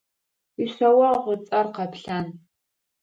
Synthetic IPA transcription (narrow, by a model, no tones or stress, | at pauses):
isɐwɐʁʷʊt͡sʼɐrqɐpɬan